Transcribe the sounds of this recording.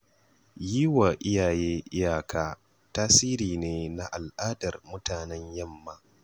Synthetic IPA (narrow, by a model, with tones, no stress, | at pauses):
jiː˦wa˨ʔɪ˦jaː˨jeː˦ʔɪ˦jaː˨kaː˦ | taː˦siː˦ɾiː˨neː˦na˦ʔa˨lʔaː˦dɐ˨rmʊ˦taː˨nɛ˦ɲjɐ˦mːaː˦